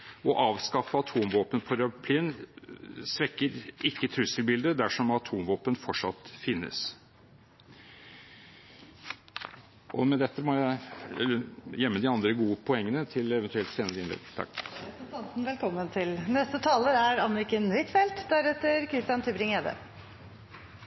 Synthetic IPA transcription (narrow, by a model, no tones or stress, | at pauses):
ɔʔɑːʋskɑfəɑt̪ʰuːmʋoːpənpʰɔɾɑpʰliːn | sʋɛkːəɾɪkːət̪ʰɾʉsəlbɪld̪əd̪æʂɔmɑt̪ʰuːmʋoːpənfɔʈʂɑ̰t̪ːfɪnːə̰s | ʔɔmɛd̪ɛt̪ːəmɔjæɪɛəjɛmːəd̪ɪɑnd̪ɾəɡuːəpʰɔɛŋːənət̪ʰɪlɛʋənt̪ʉɛlt̪seːnəɾəɪnɛ̰ɡt̪ʰɑ̰k̪ət̪ɑnsn̩ʋɛlkʰɔmːənt̪ʰɪlnɛst̪ət̪ʰɑːləɾæɾɑnɾɪkənʋɪt̪fɛlt̪d̪æɾɛt̪ːəɾkʰɾɪst̪ɪjɑnt̪ʰʉbɾɪŋeːd̪ə̰